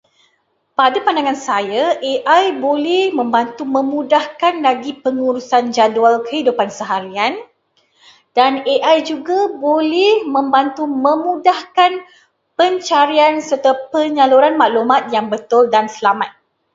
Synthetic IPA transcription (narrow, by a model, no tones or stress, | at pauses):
padapandaŋãnsajaʔeʔajbolɛhmə̃mbant̪umə̃mũdahkanlaɡipəŋuɾusand͡ʒadualkəhidupansəɦaɾian | d̥aneʔajd͡ʒuɡabolɛhmə̃mbant̪umə̃mũdahkan | pəɲt͡ʃaɾiansərt̪apəɲaluɾanmaʔlumat̪̚jaŋbət̪ʊldansəlamat̪̚